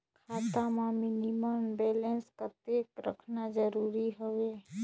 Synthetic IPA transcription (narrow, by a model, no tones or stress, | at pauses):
kʰaːt̪amãmɪniməmbeːlẽnskət̪ekɾə̰kʰnad͡ʒəɾuːɾiɦəʋe